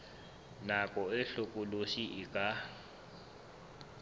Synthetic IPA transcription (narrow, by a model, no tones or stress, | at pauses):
nakʼɔɛɬukʼuloʃiʔikʼa